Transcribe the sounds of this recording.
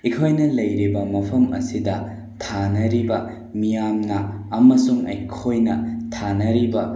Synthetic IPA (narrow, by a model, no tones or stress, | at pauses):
ikʰojnɐlɐjɾibɐmɐpʰɐmɐ̰sidɐ | tʰanɐɾibɐ | mijamnɐːmɐsuŋɐ̰jkʰojnɐtʰanɐɾibɐ